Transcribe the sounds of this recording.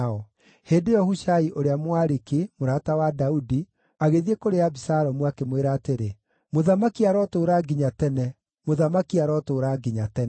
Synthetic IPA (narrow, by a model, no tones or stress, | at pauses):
ɔ | heːndejɔhuʃaiʔoɾeamwaɾikimoɾaːtawadaudi | aɣeðiekoɾeabisaɾɔmwakemweɾaːteɾe | moðamakiaɾɔtoɾaːɡiɲatɛnɛ | moðamakiaɾɔtoːɾaːɡiɲatɛn